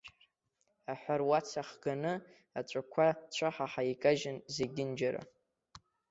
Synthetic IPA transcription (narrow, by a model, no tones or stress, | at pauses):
aħʷarwat͡sʰaχɡ̥anɨ | at͡ʃʷʼakʷʰat͡ɕʷʰaħaħaikʼaʒɪnzeɡʲɪnd͡ʒaɾa̰